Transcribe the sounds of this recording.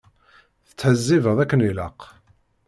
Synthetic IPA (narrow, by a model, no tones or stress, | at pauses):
θə̥t͡sːħəzːivəðˤækːəniləq